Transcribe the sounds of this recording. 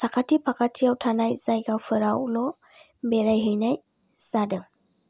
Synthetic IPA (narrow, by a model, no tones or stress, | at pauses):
sakʰatʰipʰakʰatʰiawtʰanajsajɡawpʰɯɾawlɔ | bɛɾajɦɯjnaj | sadɯŋ